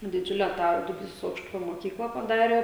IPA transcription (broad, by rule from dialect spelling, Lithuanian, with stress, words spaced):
dʲɪˈd͡ʒʲʊlʲɛ tɑː dʊˈbʲiːsoːs ˈɐʊkʃtʊpʲoː moːˈkʲiːklˠɐ pɐˈdɑːrʲeː